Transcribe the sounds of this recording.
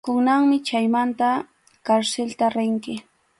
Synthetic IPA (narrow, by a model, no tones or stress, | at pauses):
kʊŋnaŋmɪt͡ʃajmant̪a | kaɾselt̪aɾɪŋkɪ